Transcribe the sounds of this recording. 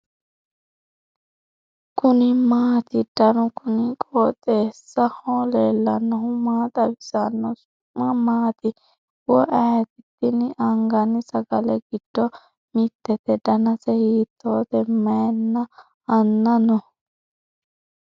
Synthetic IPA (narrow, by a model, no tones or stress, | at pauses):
kʊnɪmaːt̪ɪd̪̥ɐnʊkʊnɪkʼoːt̪ʼeːsːɐhoːlelːɐnɐɦʊmaːt̪ʼɐbɪsanːɔsʊ̥ʊmːɐmaːt̪ɪ | wɔʔɛjɐt̪ɪt̪ːɪnʔɐŋɡɐnɪsɐɡɐlɛɡɪd̪̥ːɔ | mɪt̪ːɛt̪ɛd̪ɐnɐsɛhiːt̪ːoːt̪ɛmɐjnːɐ | ɐnːɐnɔ